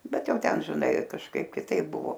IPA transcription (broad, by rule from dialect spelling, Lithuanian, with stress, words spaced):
ˈbʲɛt ˈjɛʊ ˈtʲɛn ʒʲɪˈnɐɪ kɐʃˈkɐɪp kʲɪˈtɐɪp ˈbʊʋoː